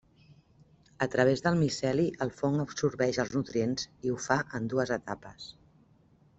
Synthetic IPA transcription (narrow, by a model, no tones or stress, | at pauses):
ət̪ɾəβ̞ezðəlˠmisɛliʔəlˠfoŋəbsuɾβɛʃəlˠznut̪ɾienziufaʔənd̪uəzət̪apəs